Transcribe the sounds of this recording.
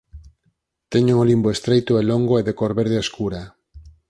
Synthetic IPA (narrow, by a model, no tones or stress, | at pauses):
t̪eɲuŋolimboest̪ɾejt̪ʊeloŋɡoeðekoɾβeɾðeeskuɾa